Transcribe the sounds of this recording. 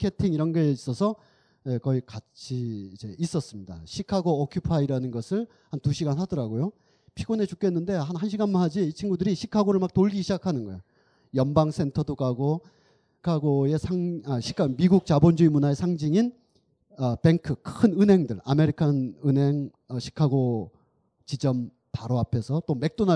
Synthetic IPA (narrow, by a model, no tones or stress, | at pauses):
kʰe̞tʰiŋiɾʌnɡeis͈ʌsʰʌ | ekʌikat͡ɕʰiːd͡ʑe̞is͈ʌs͈ɯmɲida̰ɕʰikʰaɡoːkʰjupʰaiɾanɯnɡʌsʰɯɭ | hantuɕʰiɡanɦadʌɾaɡojo | pʰiɡone̞t͡ɕuk͈e̞nːɯnde̞haɦanɕʰiɡanmanɦad͡ʑiit͡ɕʰinɡudɯɾiɕʰikʰaɡoɾɯɭmak̚toɭɡiɕʰid͡ʑakʰanɯnɡʌejo | jʌnbaŋsʰe̞ntʰʌdokaɡo | kʰaɡoe̞sʰaŋʌɕʰi̥kʰamiɡuk̚t͡ɕabond͡ʑuimunae̞sʰaŋd͡ʑiŋin | ʌpe̞ŋkʰɯkʰɯnɯnɦe̞ŋdɯɾame̞ɾikʰanɯnɦe̞ŋ | ʌɕʰi̥kʰaɡo | t͡ɕid͡ʑʌm | paɾoapʰe̞sʰʌt͈ome̞k̚t͈ona